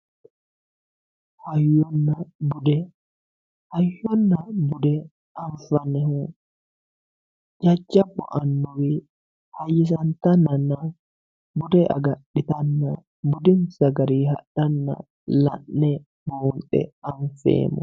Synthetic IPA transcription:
hajɔnːabudɛ | hajːɔnːabudɛ | ʔanfanɛhu | d͡ʒad͡ʒabɔ̰ʔanːɔwi | hajisantanːana | budɛʔa̰ɡaɗːitanːa | budinsaɡaɾiha̰ɗanːa̰ | la̰nːɛ | bɔmɗɛ̰anfɛ̰ːmɔ̰

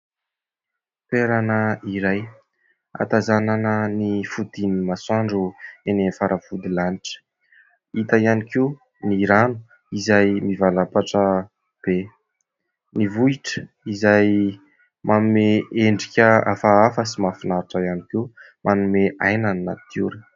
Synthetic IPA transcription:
peɾanəiɾaj | a̰t̪azananənifud̪inimasaɳɖ͡ʐuenenfaɾʔafud̪ilaniʈ͡ʂə̥ | it̪ajanikeu | niɾanu̥ | izajmivalapaʈ͡ʂə | b̥e | nivuiʈ͡ʂə̥ | izaj | mʔanumeeɳɖ͡ʐikʲəafaafəsimafinaɾiʈ͡ʂajanike | mʔanumeʔajnanna̰t̪ʰjṵɾə̥

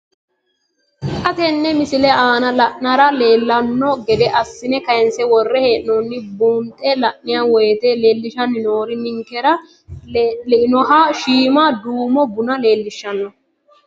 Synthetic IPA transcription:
kʼɐt̪ɛnːɛmɪsɪlɛaːnɐlɐʔnɐɾɐle̞ːlːɐnːɔɡɛd̪ɛʔɐsːɪnɛkɐjɛnsɛwɔrːɛheːʔnɔnːɪbuːnt̪ʼːɛlɐʔːɪjawɔjɛt̪ɛle̞ːlːɪʃɐnːɪnoːɾɪnɪŋkːɛɾɐ | lɪnɔɦaːʃiːmad̪uːmɔbʊnɐle̞ːlːɪʃːɐnːɔ

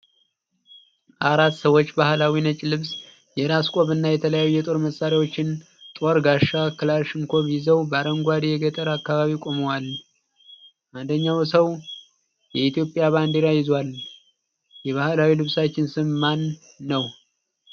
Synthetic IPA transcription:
ʔaɾat̪ːsəwot͡ʃːbahlawinət͡ʃʼlɨβs | jɛɾaskʷʼo̞βɨnːajɛt̪ʰələjajujɛt̪ʼo̞ɾməsːaɾiwo̞t͡ʃːɪn | t̪ʼo̞ɾɡaʃakɨlaɾʃɪŋkʰo̞βɪzəwbəaɾəŋɡʷad̪ijɛɡət̪ʼəɾakːaβaβikʼo̞məwal | ʔand̪əɲːawsəw | jɛit̪ʰijo̞pʼjaβand̪iɾajɪzwal | jɛβahlawilɨβsat͡ʃːɪnsɨmːanː | əw

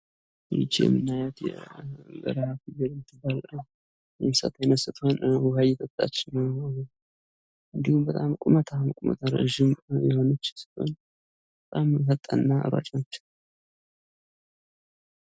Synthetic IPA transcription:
jɪ̰t͡ʃːejɛ̰mːɨnːajat̪jɛ̰bə̰ɾhafibəd̪mɨt̪ʰːɨbːal | jɛmsa̰t̪ʰajɛnəsɨt̪ʰhonhuhajɛt̪ʰət̪ʼːa̰t͡ʃːɪnəw | ɨnd̪ihumbət̪ʼamkʼumət̪ʰamkʼumə̰t̪ʰaɾə̰ʒɪmjɛho̞nət͡ʃːsɨ̥t̪o̰n | bət̪ʼamɦət̪ʼːanːaʔɨ̰ɾa̰t͡ʃʼnat͡ʃː

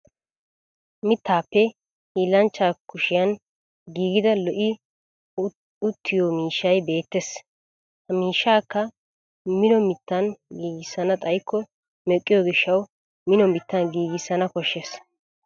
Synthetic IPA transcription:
mɪt̪ːaːpːɛ | hiːlːɐnt͡ʃːaːkʊʃɪjɐn | ɡiːɡɪd̪ɐlɔʔɪ | ʊt̪ʰːɪjomiːʃːɐjbe̞ːt̪ːes | hɐmiːʃːaːkːɐ | mɪnɔmɪt̪ːɐnɡiːɡɪsːɐnɐt̪ʼɐjkʰːɔ | mɛkʼːɪjoːɡɪʃːɐw | mɪnɔmɪt̪ːɐnɡiːɡɪsːɐnɐkɔʃːes

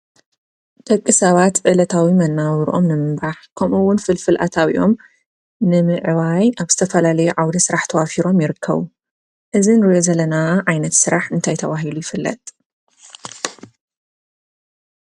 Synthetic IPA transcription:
d̪̥ɐkʼːɨsɐβat̪ʕɨlɐt̪ʰawimɐnːawɾʔo̞̰mnɨmɨbaħkʰɐmʔuwːʊnfɨlfɨlʔa̰t̪ʰaβḭʔo̞m | nɨmɨʕβajaβz̥ɨt̪ʰɐfɐlalɐjuʕawd̪ɐsɨɾaħt̪ʰɐwafiɾo̞mjɪɾɨkʰːɐ̰βu | ʔɨzinɾɨjozɐlɐnaʕajnɐt̪sɨɾaħɨnt̪ʰajt̪ʰɐβaɦilujɪfɨlːɐ̰t̪ʼ

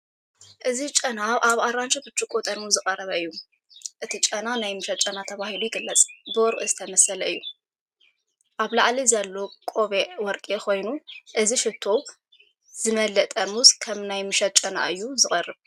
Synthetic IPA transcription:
ʔɨzit͡ʃʼɐnaβʔaβaɾant͡ʃʼɐbɨt͡ʃʼːukʼot̪ʼɐnmuzɨqʼɐrɐβɐɨjːu | ʔɨt̪ʰit͡ʃʼɐnanajmɨʃɐt̪̚t͡ʃʼɐnat̪ʰɐβahilujɪɡɨlːɐt͡sʼbɨwɔɾʔʼizɨt̪ʰɐmɐsɐlɐɨjːu | ʔaβlaʕlizɐlːo̞kʼoβewɔɾkʼekʰo̞jnuʔɨziʃɨt̪ʰːo̞ | z̥ɨmɐlːɐt̪ʼɐmuskʰɐmnajmɨʃɐt̪̚t͡ʃʼɐna̰ʔɨjːuzɨχʼɐrːɨβ

